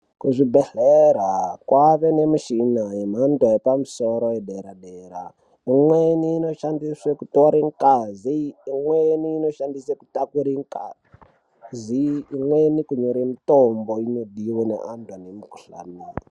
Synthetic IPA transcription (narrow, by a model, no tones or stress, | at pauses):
kuʐibɛɮɛɾakwʔaβenemuʃinaem̤antwaepamusoɾoeɗɛɾaɗeɾa̰ | imweniːnoʃandiswekutoɾiŋkaziːŋweniːnoʃandiseku̥takuɾiŋka̰ | ziːmwenikuɲoɾintomboinoɗiwɔnḛʔantwanemiku̥ɬa̰neːi